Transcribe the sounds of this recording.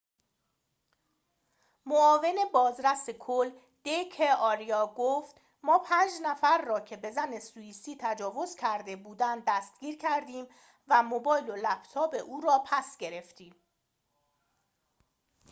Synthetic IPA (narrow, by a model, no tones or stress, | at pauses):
moɒːve̞ne̞bɒːzɾæsekʰol | d̪̥ejkʰeɒɾijɒːɡoft̪ | mɒːpʰænd͡ʒnæfæɾːɒːcʰe̞be̞zæne̞suiːsiːt̪ʰæd͡ʒɒːvo̞zcʰæɾd̪e̞buːd̪ænd̪d̪æst̪̚ɡ̥iːɾcʰæɾd̪iːm | væmobɒːjlolæb̥t̪ʰɒːbe̞ʔuːɾɒːpʰæsɟe̞ɾe̞ft̪iːm